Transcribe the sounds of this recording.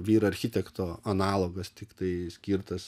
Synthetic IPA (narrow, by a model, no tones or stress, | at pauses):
ʋʲiːɾɐɐɾʲxʲɪt̪ʲɛkt̪oːɐnɑːlˠoːɡɐst̪ʲɪkt̪ɐɪsʲkʲiɾt̪ɐs